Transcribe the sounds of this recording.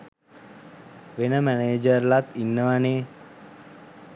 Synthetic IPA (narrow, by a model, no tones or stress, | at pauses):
ʋenəmæneːd͡ʒəɾlat̪inːəʋane